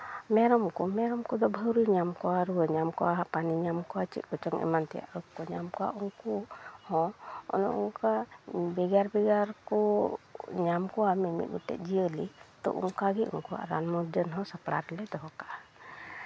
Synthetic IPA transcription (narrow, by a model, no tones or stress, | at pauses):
mɛɾɔmkɔmɛɾɔmkɔd̪ɔbʱəwɾiɲamkɔwaɾuəɲamkɔwaɦapaniɲamkɔwat͡ʃḭt̪̚ˀkɔt͡ʃɔŋɛ̰mant̪ɛja̰ʔɾɔkkːɔɲamkɔwa̰ʔuŋkuhɔ̃ɔ̰nɔ̰ʔuŋkabɛɡaɾbɛɡaɾkɔ | ɲamkɔwamɛmḭt̪̚ˀmuʈɛ̰t̪̚d͡ʒiəlit̪ɔ̰ʔṵŋkaɡiʔṵŋkuwa̰ʔɾa̰nmɔd͡ʒənɦɔ̃sapɽa̰ɾlɛd̪ɔɦɔkaʔa